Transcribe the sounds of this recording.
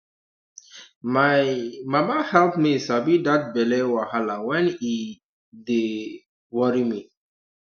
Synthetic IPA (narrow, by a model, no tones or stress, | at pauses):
mamamahɛlpmisabidat̚bɛlewahalãwɛ̃ni | de | wɔɹimi